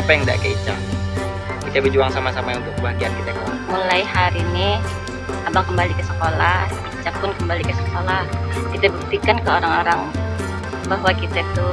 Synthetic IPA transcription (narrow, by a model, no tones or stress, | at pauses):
apajaŋda̰ʔkəit͡ʃa | kit̪abid͡ʒuaŋsamasamaunt̪ʊk̚kəbaɦaɡiankit̪akaamulajhaɾini | abaŋkəmbalikəsə̥kolah | it͡ʃapʊnkəmbalikəsəkolahkit̪abut̪ikankəoɾaŋoɾaŋ | baɦwakit̪at̪ʊ